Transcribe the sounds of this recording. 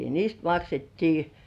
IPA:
niːst mɑksetːiː

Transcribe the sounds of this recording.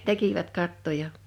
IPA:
tekiʋæt kɑtːojɑ

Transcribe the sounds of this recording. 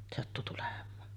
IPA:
sɑtːu tulemˑɑːn

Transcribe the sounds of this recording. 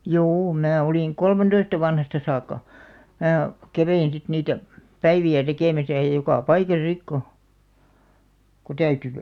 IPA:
juː mæː oliˑŋ kolmentoistɑ ʋɑnhɑstɑ sɑːkːɑ mæː kæʋein sit niːtæ pæiʋiæ tekeˑmæsæ jɑ jokɑˑ pɑikɑsɑ sik ko ko tæyty

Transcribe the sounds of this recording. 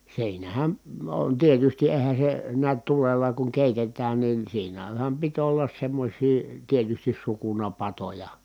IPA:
siːnæhæn on tietysti eːhæn̞ se niæt tulelːɑ kuŋ keˑitetæːn nin siːnæhæm pit olːɑs semːosʲiː tietystis sukunɑpɑtojɑ

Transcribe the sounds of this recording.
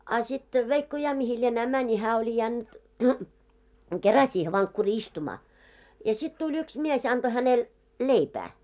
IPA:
ɑ sit ʋeikːo jɑ mihi lienæː mænʲi hæː olʲi jænːy̆t kerɑ siːhe ʋɑŋkːuriː istumɑː jɑ sit tulʲ yks mies ɑnd̥o hænel leipæː

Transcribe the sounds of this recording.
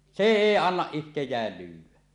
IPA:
seˑ eˑi ɑnːɑʔ ʔihtejˑæːl lyːwˑæ

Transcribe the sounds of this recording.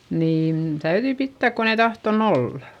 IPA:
niːn tæyðyi pitːæˑk kon ei tɑhton olːɑ̥

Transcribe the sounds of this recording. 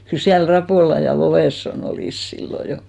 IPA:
kyl siæl rɑpoˑlɑ jɑ loʋesːon oliˑs silːo jo

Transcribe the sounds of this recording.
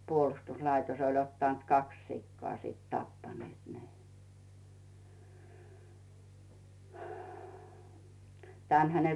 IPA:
puolŭstuslɑitos olʲ otːɑˑnt kɑks sikːoɑ siˑt tɑpːɑnĭeˑt ne tæˑnhæ ne

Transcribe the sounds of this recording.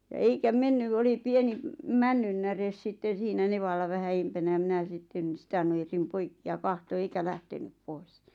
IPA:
jɑ eikæ menːyʋ oli pieni mænːynːæres sitːen̞ siːnæ neʋɑlːɑ ʋæhæ eimpænæ j̆ɑ minæ sitːen̞ sĭtæ nujersim poikːi jɑ kɑhto eikæ læhtenyp pois

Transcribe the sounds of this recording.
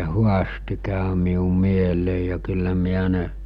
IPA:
huɑsti kæˑø miu mieleˑi jɑ kylːæ miæ ne

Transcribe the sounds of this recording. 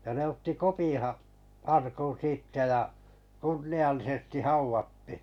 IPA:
jɑ ne otːi kopĩː hɑ ɑrkun̞ siːtːæ jɑ kunːiɑlːisestĭ hɑuʋɑtːi̥

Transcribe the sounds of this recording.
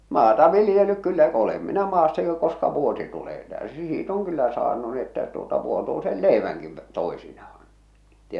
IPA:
mɑːtɑ ʋilĭjelːyk kylːæ olem minæ mɑːsːɑ jo koskɑ ʋuosi tuleː tæˑøsi siːt oŋ kylːæ sɑːnu ni etːæ tuotɑ ʋuotuisel leˑiʋæŋki ʋ toˑesinɑhɑ̥n̥ etːei

